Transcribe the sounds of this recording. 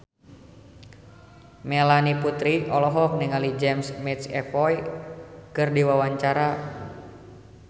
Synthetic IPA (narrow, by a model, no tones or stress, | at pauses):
mɛlaniput̪ɾiʔɔlɔɦɔk̚niŋalid͡ʒɛmsmit̪sɛpɔj | kɨrdiwawaɲt͡ʃaɾa